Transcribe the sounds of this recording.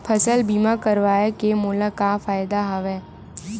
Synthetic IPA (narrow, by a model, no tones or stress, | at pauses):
pʰɐsəlbiːmakəɾʋaːekemʊːləkafaːjd̪aɦɐʋɛː